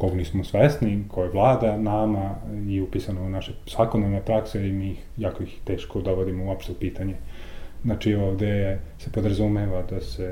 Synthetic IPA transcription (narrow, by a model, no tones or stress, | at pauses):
koɡnismosʋesnikʰojeʋlˠaːd̪anamaiupisanounaʃesaːkonaɾnepɾakseimiixjaːkoixt̪e̞ːʃkod̪oʋod̪imouapʃt̪opiːt̪aɲeznat͡ʃioːʋd̪ese̞pod̪ɾazumeʋad̪ase